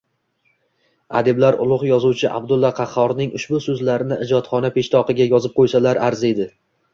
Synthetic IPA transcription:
a̰d̪ɪblaɾʊ̰lˠʊqjɒzuwt͡ʃʰɪʔa̰bd̪ʊlˠːɒqʰɑχɒɾnɪŋʊʃbʊsɵzlaɾɪnɪʔɪd͡ʒɒt̪χɒnapʰe̞ʃt̪ʰɒqɨɡʲajɒzɪp̚qʰojsalaɾʔaɾze̞d̪ɪ

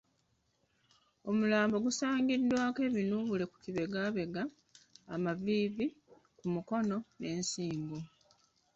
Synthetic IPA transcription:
o̞mulaːmbo̞ɡusaːŋɡidːwaːke̞ːβinuβule̞ku̥ciβe̞ɡaːβe̞ɡaː | maviːvi | kumuko̞no̞ne̞ːnsiːmɡo

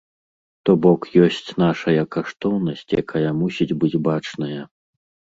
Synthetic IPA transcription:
t̪ɔbɔkjɔsʲt͡sʲn̪aʂɐjɐkaʂt̪ɔwnɐsʲt͡sʲja̰kajɐmusʲid͡zʲbɨd͡zʲbat͡ʂnɐjɐ

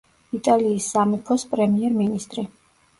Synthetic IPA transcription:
it̪ʼaliːsːamipʰɔspʼɾɛmiɛɾminist̪ʼɾi

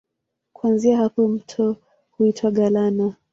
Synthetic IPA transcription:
kuanziahapɔm̩tʰɔ | huitʰwaɠalana

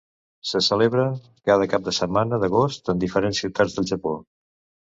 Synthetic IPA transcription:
səsəleβɾə | kað̞əkap̚d̪əsəmanəðəɣost̪ənd̪ifəɾensiwt̪ad͡zðəlˠʒəpo

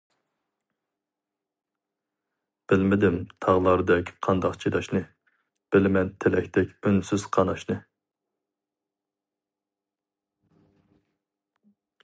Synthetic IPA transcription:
b̥ɪlmɪd̪ɪmt̪ʰɑʁlˠɑɾɨd̪ɛkʲqʰɑnd̪ɑqt͡ʃʰid̪ɑʃnɨ | b̥ɪlmɛnt̪ʰelɛkʲt̪ʰɛkʲønsyz̥qʰɑnɑʃnɨ

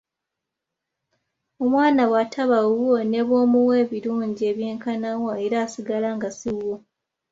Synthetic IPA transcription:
o̞mwaːnaɣwatʰaβaone̞βwo̞ːmuwe̞ːβiɾuːɲɟie̞βjeːŋkanawoe̞ɾaːsiɡalaŋɡasiwo

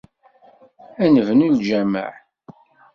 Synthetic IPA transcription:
ænəvnuld͡ʒæmə̰ʕ

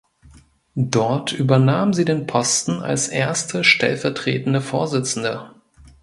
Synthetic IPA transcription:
d̥ɔɐtʰʔyːbɐnaːmmziːdeːnpʰɔstn̩a̰lsʔeːɐstʰəʃtɛ̰lfɛɐtʁ̥ḛːtn̩dəfoːɐzɪt͡sn̩də

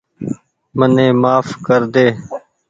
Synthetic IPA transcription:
mənẽːmaːfkəɾd̪eː

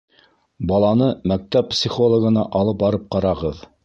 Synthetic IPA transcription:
bɑlˠɑnɤmæk̚t̪æppsʲiχolˠŏɡɤ̆nɑʔɑlˠɤp̚bɑɾɤp̚qɑɾɑʁɤð

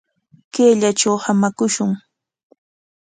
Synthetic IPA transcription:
keːʎat͡ʃawhamakʊʃʊŋ

